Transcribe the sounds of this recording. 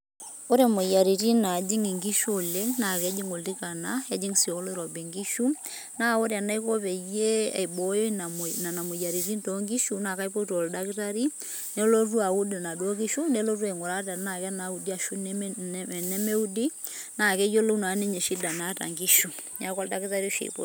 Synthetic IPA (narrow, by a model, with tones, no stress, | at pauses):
o˦ɾɛ˨mo˨ja˨ɾi˨ti˦na˨d͡ʒi˦ŋi˨ŋɡi˦ʃo˨le˦ŋna˨kɛ˦d͡ʒi˦ŋo˨ldi˦ka˨na˦ɛ˦d͡ʒi˦ŋsi˨o˨li˦ɾɔ˨be˨ŋɡi˦ʃu˦ | na˦o˦ɾja˨na˦i˦kɔ˦pɛ˨jḛ˦˨i˨bɔ˨jo˦n˨na˨na˨mo˨ja˨ɾi˨ti˦nto˨˦ŋɡi˦ʃu˦na˨ka˦i˦po˦to˨lda˦ki˦ta˦ɾi˦ | ne˦lo˦t̬u˦a˨u˦di˨na˨dwo˦k̬i˦ʃu˦ne˦lo˦tu˦e˨ŋʊ˨ɾa˦ta˨na˨kɛ˦na˨˦u˨di˦a˨ʃu˦n˨ | nɛ˦me˦u˦di˦na˨kɛ˦jo˦lo˦na˨˦ne˦ɲe˨ʃi˦da˨na˦ta̰˨ŋɡi˦ʃu˨ɲa˦kɔ˦lda˦ki˦ta˦ɾi˦ʃḛ˨po̰˦